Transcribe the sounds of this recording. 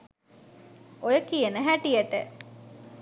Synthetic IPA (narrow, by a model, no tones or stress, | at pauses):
ojəkijənəɦæʈijəʈə̰